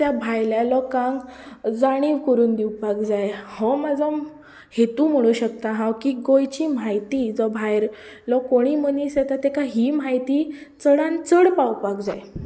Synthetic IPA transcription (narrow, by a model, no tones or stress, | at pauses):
t̪jabʱajljalɔkãŋɡd͡zaɽ̃iːʋkəɾuːnd̪iwpakd͡zajhɔmad͡zəm | het̪ũm̤əɽ̃uːɕəkt̪aɦãwkiɡojt͡ɕiːm̤ajt̪iːd͡zɔbʱajɾ | lɔkoɽ̃iːmənisɛt̪at̪ekaɦiːm̤ajt̪iːt͡səɽãnt͡səɽpawpakd͡zaj